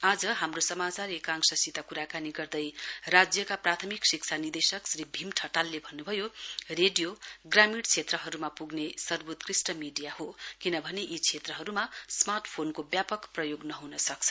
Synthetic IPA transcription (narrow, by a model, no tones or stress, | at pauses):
ad͡zʌɦamrosʌmat͡sarekãŋsʌsit̪akuɾakaniɡʌrd̪ʌjrad͡zjʌkaprat̪ʰʌmiksik̚t͡sʰanid̪esʌksribʱimʈʰʌʈalːebʱʌnːubʱʌjoreɖijoɡramiɽt͡sʰet̪rʌɦʌɾumapuɡnesʌrbot̪krisʈʌmiɖijaɦokinʌbʱʌneʔit͡sʰet̪rʌɦʌɾumasmarʈpʰonkobjapʌkprʌjoɡnʌɦunʌsʌk̚t͡sʰʌ